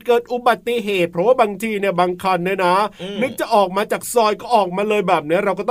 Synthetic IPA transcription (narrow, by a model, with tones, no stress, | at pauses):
kɤː˨˩t̪̚ʔu˨˩ba˨˩t̪ːi˨ɦeː˨˩t̪̚pʰɾɔ˦˥waː˥˩baː˧ŋt̪ʰiː˧ni˥˩ɐbaː˧ŋkʰa˧nːi˦˥na˦˥nɯ˦˥k̚t͡ɕa˨˩ʔɔː˨˩k̚maː˧t͡ɕaː˨˩k̚sɔː˧jkɔː˥˩ʔɔː˨˩k̚maː˧lɤː˧jbɛː˨˩p̚ni˦˥ɐɾa˧wk̬ɔ˥˩t̪